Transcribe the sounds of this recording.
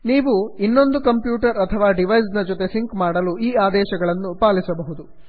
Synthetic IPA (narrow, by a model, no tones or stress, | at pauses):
niːʋuinːo̞nd̪ukɐmpjuːʈɐɾɐt̪ʰɐʋaːɖiʋɐjsnɐd͡ʒot̪e̞siŋkmaːɽɐluiːaːd̪ɛːʃɐɡɐɭɐnːupaːlisɐbɐɦud̪u